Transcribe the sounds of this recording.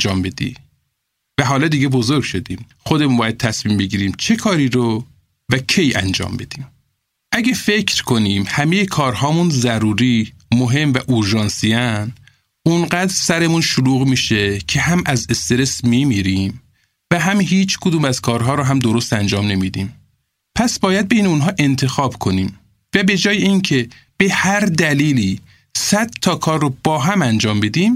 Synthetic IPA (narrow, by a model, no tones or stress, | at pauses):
d͡ʒɒːmbe̞d̪ḭː | væɦɒːlɒːd̪iːɡebozoɾɡʃod̪iːm | xod̪e̞munbɒːjæd̪̚t̪ʰæsmiːmbe̞ɟiːɾiːmt͡ʃʰe̞kʰɒːɾiːɾo | vækʰejæ̰nd͡ʒɒ̰ːmbe̞d̪̥iːm | ʔæɟæfecʰɾkʰo̞niːmhæmejekʰɒːɾɦɒːmunzæɾuːɾiːmoɦe̞mvæʔoɾʒɒːnsiæn | ʔunɢæd̪ɾsæɾe̞munʃoluːɣmiːʃecʰe̞ɦæmæzest̪e̞ɾe̞smimiːɾiːm | væɦæmɦiːt͡ʃʰkʰod̪uːmæzkʰɒːɾɦɒːɾɔɦæmd̪oɾost̪ænd͡ʒɒːmne̞mid̪ḭːm | pʰæsbɒːjæd̪̚bejneunɦɒːʔe̞nt̪ʰe̞xɒːbkʰo̞niːm | væbe̞d͡ʒɒːjeincʰe̞ | b̥ehæɾd̪æliːliː | sæd̪̥t̪ʰːɒːkʰɒːrːob̥ɒːɦæmænd͡ʒɒːmbe̞d̪iːm